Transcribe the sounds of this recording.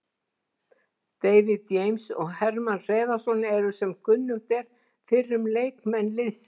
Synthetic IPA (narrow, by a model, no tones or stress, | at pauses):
t̪eːjvɪðjejmsɔ̰ɣhɛɾmanr̥eːðasɔnːɛɾʏsɛmkʏnːʏht̪ɛɾ̥ | fɪrːʏmleːjkmɛnːlɪðs